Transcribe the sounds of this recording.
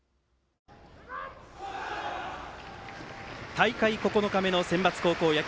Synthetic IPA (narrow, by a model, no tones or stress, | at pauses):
t̪aikaiko̞ko̞no̞kame̞no̞sẽ̞mbat͡sɨ̥ko̞ːko̞ːjak